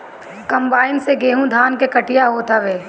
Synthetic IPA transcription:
kɐ̃mbaːɪnseɡeːɦũd̪ʱaːnkekɐʈɪjaɦot̪aʋeː

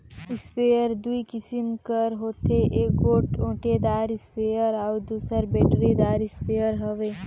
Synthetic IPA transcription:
ɪspeːjəɾd̪uikɪsimkəɾɦoːt̪eʔeːk̚ɡoːʈõːʈed̪aːɾɪspeːjəɾawd̪uːsəɾbeːʈɾid̪aːɾɪspeːjəɾɦɐʋeː

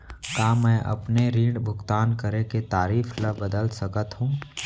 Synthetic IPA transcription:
kaːmɛ̃ːʔɐ̰pneɾiːɳɖbʱʊɡt̪aːnkəɾeket̪aːɾiːfləbəd̪əlsɐkət̪ɦũː

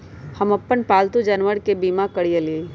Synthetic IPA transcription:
hɐmɐpːənpaːlt̪ud͡ʒɐnʋəɾkebiːmakəɽijəli

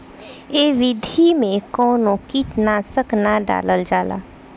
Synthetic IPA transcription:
eːʋɪd̪ʱimẽkɔːnõkiʈnasəknaɖa̰ːləld͡ʒaːla̰ː

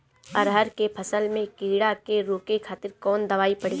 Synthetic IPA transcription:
ɐɾɦəɾkepʰɐsəlmẽkiːɽakeɾoːkekʰaːt̪ɪɾkɔːnd̪ɐʋaːipɐɽ̤e

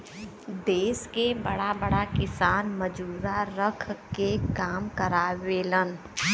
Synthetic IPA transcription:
d̪eːskebɐɽabɐɽakɪsaːnməd͡ʒuːɾaɾəkʰkekaːmkəɾaːʋeːlən

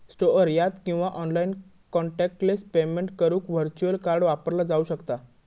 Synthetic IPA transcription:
sʈoəɾjat̪kĩw̃ʋaʔɔnlain | kɔɳʈɛk̚ʈlespemeɳʈkəɾũːkʋəɾt͡ɕuəlkaɾɽʋapəɾlad͡zauɕəkt̪a

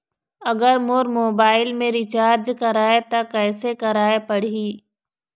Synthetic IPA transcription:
ɐɡəɾmoɾmoːbaːɪlmẽɾɪt͡ʃaːɾd͡ʒkɐɾaːet̪akɛːsekɐɾaːepɐɽiː

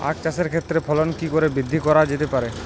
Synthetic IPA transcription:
a̰kt͡ɕaʃeɾkʰet̪ːɾepʰɔlonkikoɾebɾid̪ʱːikɔɾad͡ʑet̪epaɾe

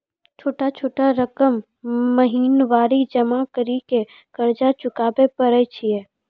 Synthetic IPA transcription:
t͡ʃʰoːʈat͡ʃʰoːʈaɾəkəmː | əɦiːnʋaːɾid͡ʒəmakəɾike | kəɾd͡ʒat͡ʃʊkaːbepəɾət͡ʃʰiɛ

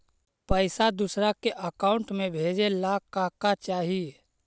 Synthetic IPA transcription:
pəɪsad̪usɾakeʔəkaːʊɳʈmẽbʱeːd͡ʒelaːkːaːkat͡ʃaːɦi

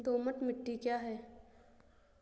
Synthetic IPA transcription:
d̪oːməʈ̪mɪʈːikjaːɦɛː

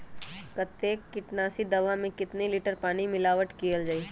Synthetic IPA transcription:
kət̪ːeːkːɪʈnaːsid̪ɐʋamẽkɪt̪nelɪːʈəɾpaːɽ̃imɪlaːʋəʈkijəld͡ʒaːiː

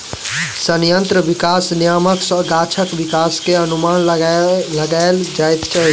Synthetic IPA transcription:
sənjə̃nt̪ɾəʋɪkaːsnijaːməksɔ̃ɡaːt͡ʃʰəkʋɪkaːskeənumaːnləɡaeld͡ʒaːjt̪t͡ʃʰəɦ

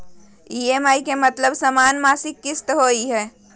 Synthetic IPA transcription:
iemaːikemət̪ləbsəmaːnmaːsɪkːɪst̪ɦoiɦɛː

